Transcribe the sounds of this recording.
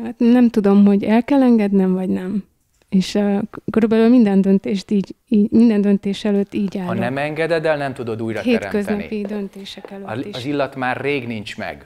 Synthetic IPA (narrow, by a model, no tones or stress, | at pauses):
hat̪nɛmt̪ud̪o̞mɦo̞ɟɛlkɛlɛŋɡɛd̪nɛmvɒɟnɛm | eːʃkøɾybɛlylmind̪ɛnd̪ø̞nt̪eːʃt̪iːɟiːmind̪ɛnd̪ø̞nt̪eːʃɛløt̪ːiːɟaːɾnoɛmɛŋɡɛd̪ɛd̪ɛlnɛmt̪ud̪o̞d̪uːjɾɒhḛːkøznɒ̰pid̪ønt̪eːʃɛkɛløeʃzilːɒt̪maːrːeːɡnint͡ʃmɛ̰ɡ